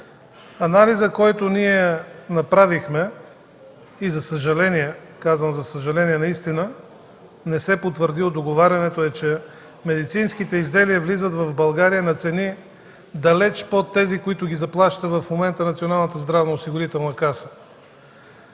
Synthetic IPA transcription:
ɐnalizəkɔjt̪ʊniɛnɐpɾavixmɛ | izɐsəʒɐlɛniɛ | kazvəmzɐsəʒɐlɛniɛnɐist̪inə | nɛsɛpot̪vəɾd̪ilˠod̪oɡovaɾʲɐnɛt̪oɛt͡ʃɛ | mɛd̪it̪sinskit̪ɛizd̪ɛliəvlizət̪vɐvbɐlˠɡaɾijənɐt̪sɛni | d̪ɐlɛt͡ʃpot̪ːɛzikoit̪ʊɡʲizɐplˠaʃt̪əvɐfmomɛnt̪ənɐt̪sionalˠnət̪əzd̪ɾavnoosiɡoɾit̪ɛlˠnəkasə̥

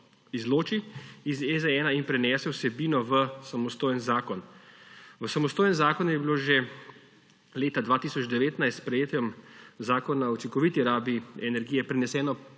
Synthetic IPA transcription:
izloːt͡ʃiizɛzɛɛːnainpɾɛnɛːsɛwsɛbinɔʋəsamɔst̪oːjənzaːkɔn | ʋəsamɔst̪oːjənzaːkɔnjɛbiloːʒe | leːt̪ad̪ʋaːt̪iːsɔd͡ʒd̪ɛʋeːt̪najst̪spɾɛjeːt̪jɛmzaːkɔnaɔt͡s̪ikɔʋiːt̪iɾaːbiɛnɛɾɡijɛpɾɛnɛsɛːnɔ

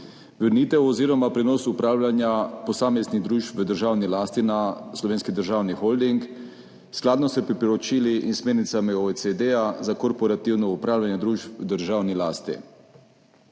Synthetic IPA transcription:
ʋəɾniːt̪ɛwɔziːɾɔmapɾɛnɔːsupɾaːwlʲanjapɔsaːmezniɣd̪ɾuːʃpʋəd̪əɾʒawnilaːst̪inaslɔʋeːnskid̪əɾʒaːwnixɔld̪iŋk | sklaːd̪nɔsɛpɾipɔɾɔt͡ʃiliʔinsmeːɾnit̪samioesed̪ejazakɔɾpɔɾat̪iwnɔupɾaːwljanjɛd̪ɾuːʃpəd̪əɾʒaːwnilaːst̪ḭ

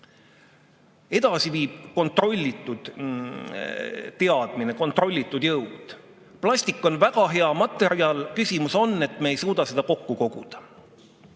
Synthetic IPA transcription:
e̞d̪̥ɑsiviːb̥̚ko̞nt̪ˑro̞lʲːit̪ːˑud̪̥ | t̪e̞ɑd̪̥mine̞ko̞nt̪ːˑro̞lʲːit̪ˑːud̪̥jɤwd̪̥ | plɑsʲt̪ikːˑo̞nvæɡ̥ɑɦe̞ɑmɑt̪ːˑe̞ɾiɑlkysʲimuso̞nːe̞t̪ːˑmeːjsuːd̪̥ɑse̞d̪̥ɑko̞kːuko̞ɡ̥ud̪̥ɑ̥

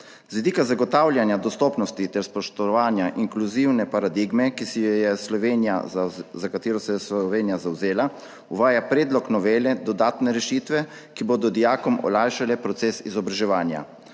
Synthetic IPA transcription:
zʋid̪iːkazaɡɔt̪aːwljanjad̪ɔst̪ɔːpnɔst̪it̪ɛɾspɔʃt̪ɔʋaːnjaʔiŋkluziwnɛpaɾad̪iɡmɛkisijjɛslɔʋeːnija̰zakat̪eːɾɔsɛjɛsʋeːnijazawzeːla | uʋaːjapɾeːd̪lɔknɔʋeːlɛd̪ɔd̪aːt̪nɛɾɛʃiːt̪ʋɛ | kiboːd̪ɔd̪ijaːkɔmʔɔ̰lajʃalɛpɾɔt̪seːsḭzɔbɾaʒɛʋaːnja̰

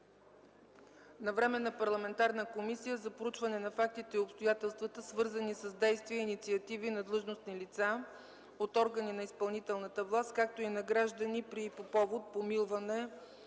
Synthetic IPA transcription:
nɐvɾɛmɛnɐpɐɾlˠɐmɛnt̪aɾnəkomisijəzɐpɾout͡ʃvɐnɛnɐfak̚t̪it̪ɛiopst̪ojat̪ɛlˠst̪vət̪əsvɤɾzənisəzd̪ɛjst̪viəinit̪siɐt̪ivinɐd̪lˠɤʒnosnilit̪sa | ot̪ɔɾɡəninɐispɐlˠnit̪ɛlˠnət̪əvlˠast̪̚kak̚t̪oinɐɡɾaʒd̪ənipɾipopɔvot̪̚pomilˠvɐnɛ

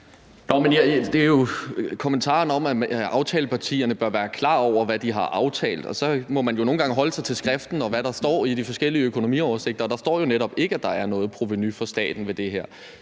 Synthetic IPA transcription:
nɒmenæd̥e̝æɐjo̝kʰɒ̽mənt͡sʰɑ̰̈ːnɒ̽mæʔɑ̈ʊt͡sʰɛːləpʰɑ̈t͡sʰḭːɐnəb̥ɶɐʋæːɐkʰlɑ̰̈ːɒʊ̰ɐʋæd̥iɦɑ̈ʔɑ̈ʊt͡sʰɛ̰ːld̥ɒ̽sɒ̽mɒ̽mænjo̝no̝ːn̩ɡɑ̈ŋɦɒ̽ləsɑ̈ɪt͡sʰe̝lsɡ̥ʁafd̥n̩ɒ̽ʋæɾ̥ɑ̈sd̥ɒ̰ːid̥ifɒ̽sɡ̥el̰iəøkʰo̝no̝mḭɒʊɐse̝ɡ̥̚d̥ɐɒ̽d̥ɑ̈sd̥ɒ̰ːjo̝neɾɒ̽b̥e̝ɡ̥əæd̥ɑ̈æɐnɔ̽ːð̩ˠpʰʁo̝ʋe̝nyfɒ̽sd̥ɛ̰ːd̥n̩ʋe̝d̥e̝ɦeɐ̰

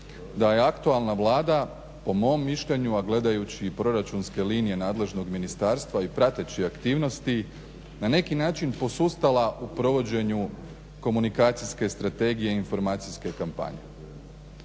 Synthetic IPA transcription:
d̪aje̞akt̪ualˠnaʋlˠaːd̪a | po̞mo̞mːiʃʎeɲuaɡle̞d̪ajut͡ɕiːpɾo̞ɾat͡ʃunske̞liːnije̞naːd̪le̞ʒno̞ɡminist̪aːɾst̪ʋaipɾat̪e̞t͡ɕiakt̪iːʋno̞st̪i | nane̞kinaːt͡ʃinpo̞sust̪alaʔupɾo̞ʋo̞d͡ʑe̞ɲu | ko̞munikaːt̪siske̞st̪ɾat̪e̞ɡijeinfo̞ɾmaːt̪siske̞kampa̰ɲe̞̰

